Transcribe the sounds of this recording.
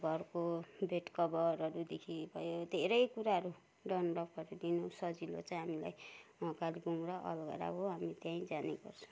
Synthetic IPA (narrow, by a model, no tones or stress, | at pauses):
ɡʱʌrkobʱeʈkʌbʌɾʌɾud̪ekʰibʱʌjod̪ʱeɾʌjkuɾaɦʌɾu | ɖʌnlʌpʰʌɾud̪inosʌd͡zilo̰t͡sãj̃ɦamila̰jkalikumɾʌʔʌ̰lɡʌ̰ɾa̰ɦoɦamit̪jãĩd͡zaneɡʌ̰rt͡sʰu̥